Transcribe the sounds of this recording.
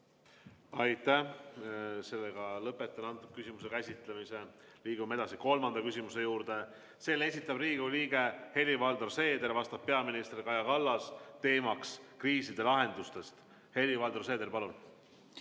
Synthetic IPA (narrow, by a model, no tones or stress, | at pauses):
ɑjt̪æ | se̞lːeɡ̥ɑlɤpet̪ːˑɑnɑnt̪ːˑub̥̚kysimuse̞kæsʲit̪lemise̞ | liːɡ̥ume̞d̪ɑsiko̞lmɑnd̪̥ɑkysʲimuse̞juːɾd̪̥e̞ | se̞ːlːe̞sʲit̪ˑːɑb̥riːɡ̥uliːɡ̥e̞he̞lːivɑld̪orse̞ːd̪e̞ɾvɑst̪ɑb̥̚pe̞ɑminist̪rkɑjɑkɑlːɑst̪e̞ːmɑkskriːsid̪̥e̞lɑɦe̞nd̪̥ust̪e̞st̪ | he̞lːivɑld̪orse̞ːd̪eɾpɑlun